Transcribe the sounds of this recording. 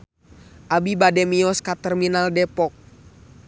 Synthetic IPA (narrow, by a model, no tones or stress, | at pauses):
ʔabibadɛmiɔskat̪ɛrminaldɛpɔk̚